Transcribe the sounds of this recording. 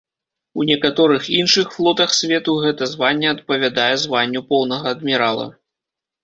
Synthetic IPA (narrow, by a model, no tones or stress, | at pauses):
unʲɛkat̪ɔɾɨxinʂɨxflˠɔt̪ɐxsʲvʲɛt̪uɣɛt̪ɐzvanʲːɛɐt̪̚pɐvʲad̪ajɛzvanʲːupɔwnɐɣɐːd̪mʲiɾalˠɐ̰